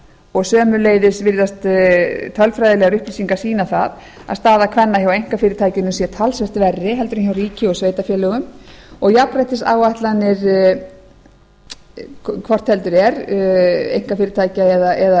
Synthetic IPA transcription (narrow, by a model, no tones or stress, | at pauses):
ɔɣsœːmʏleːjðɪsvɪɾðast̪t̪ʰœlfɾajðɪlɛɣaɾʏhplisiŋkḁsiːnaθa̰ð | a̰ðst̪aːðakʰvɛnːaçawejŋ̥kafɪːɾɪt̪ʰaːjcɪnʏmsjɛt̪ʰalsvɛr̥t̪vɛrːɪɦɛlt̪ʏɾɪnçawriːcɪɔɣsveːjt̪afjɛːlœɣʏmɔɣjaprajht̪ɪsa̰ːwaht̪lanːɪɾ | kʰvɔr̥t̪hɛlt̪ʏɾɛɾ | ḛjŋ̥kafɪːɾɪt̪ʰaːjcaɛðaʔɛða